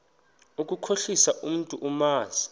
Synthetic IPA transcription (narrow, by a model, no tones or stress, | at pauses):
uk̬ʼukʰoɬisaʔum̩tʼuʔumaːzi